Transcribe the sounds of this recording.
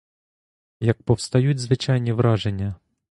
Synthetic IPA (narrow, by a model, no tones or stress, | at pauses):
jɐk̚pɔwst̪ɐjud̚ʲtʲzʋɪt͡ʃɑjnʲiʋɾɑʒenʲːɐ